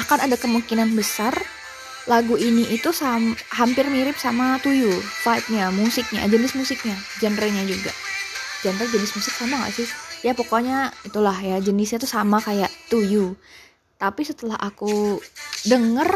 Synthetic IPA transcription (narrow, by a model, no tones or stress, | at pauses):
ahkanadakəmuŋkinanbəsar | laɡuiniit̪usamɦampɪrmiɾɪp̚samat̪ujufait̪̚ɲamusɪk̚ɲa̰d͡ʒənɪsmusɪk̚ɲad͡ʒandɾɛɲad͡ʒuɡa̰ʔd͡ʒandɾɛd͡ʒənɪsmusɪk̚samaka̰sɪhjapokoɲait̪ulahjad͡ʒənɪsɲat̪usamakajaʔt̪uju | t̪apisət̪əlahʔaku | dəŋər